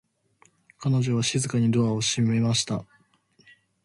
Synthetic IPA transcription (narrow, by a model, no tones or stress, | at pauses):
kano̞ʑo̞βaɕizɨkaɲ̟id̪o̞ao̞ɕime̞maɕi̥t̪a